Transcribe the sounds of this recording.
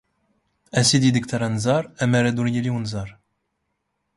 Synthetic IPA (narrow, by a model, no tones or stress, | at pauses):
æsid̪id̪əkt̪aɾanzɑɾæmæɾæd̪uɾjiliwunzɑɾˤ